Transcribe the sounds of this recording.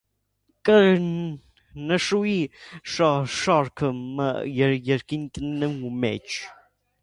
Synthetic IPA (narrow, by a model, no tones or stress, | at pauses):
kʼə | nəʃuiʃɑʃɑɾkʰəmə̰jɛɾjɛɾkint̪ənnɛumɛ̰t͡ʃʰ